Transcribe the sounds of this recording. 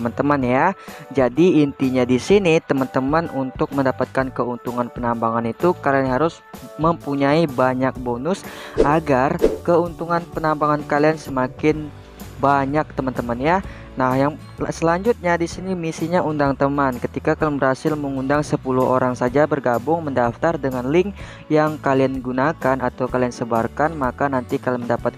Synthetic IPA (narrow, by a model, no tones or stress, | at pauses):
əmant̪əmanjad͡ʒadiːnt̪iɲadisinit̪əmant̪əmanunt̪ʊk̚məndapat̪̚kankəunt̪uŋanpənambaŋanit̪ukalianɦaɾʊs | məmpuɲaibaɲak̚bonʊsʔaɡarkəunt̪uŋanpənambaŋankaliansəmakɪn | baɲak̚t̪əmant̪əmanja | nahjaŋ | səlaɲd͡ʒut̪̚ɲadisinimisiɲaundaŋt̪əmankət̪ikakalbərhasɪlməŋundaŋsəpuluɦʔoɾaŋsad͡ʒabərɡabʊŋməndaft̪ardəŋanlɪŋ | jaŋkalianɡunakanat̪awkaliansəbarkanmakanant̪ikalməndapat̪̚